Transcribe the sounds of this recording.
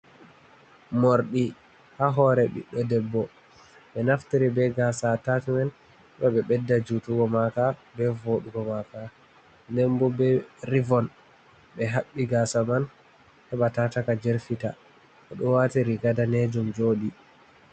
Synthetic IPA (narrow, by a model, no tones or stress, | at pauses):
moɾɗi | haɦɔɾɛɓḭɗːɔdɛbːɔ | ɓɛnaftiɾibɛɡasatatmɛn | hɛɗɔɓɛɓɛdːad͡ʒutuɡɔmakabɛvoɗuɡɔmaka | nɛmbɔbɛɾivɔn | ɓɛɦaɓːiɡasaman | hɛɓatatakad͡ʒɛɾfita | ʔɔɗɔwatiɾiɡadanɛd͡ʒumd͡ʒoɗi